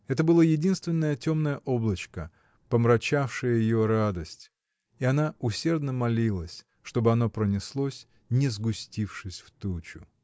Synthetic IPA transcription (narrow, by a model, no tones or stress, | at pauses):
ɛt̪əbɨlˠajɪdʲinst̪vʲɪnːəjətʲo̞mnəjəʔo̞blˠət͡ɕkə | pəmɾɐt͡ɕafʂɨjəjɪjoɾad̪əsʲtʲ | iɐnaʊsʲe̞rd̪nəmɐlʲilˠəsʲ | ʂt̪o̞bɨɐno̞pɾənʲɪslˠosʲ | nʲɪzɡʊsʲtʲifʂɨsʲft̪ut͡ɕʊ̰